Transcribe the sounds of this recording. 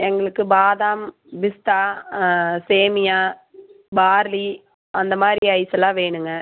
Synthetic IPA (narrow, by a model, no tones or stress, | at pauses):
ɛŋɡɐɭɯkːɯbaːðaːm | ʋɪst̪aː | seːmɪjaː | baːɾli | ɐnd̪ɐmaːdɾiɐɪsɐlãːʋeːɳɯŋɡɐ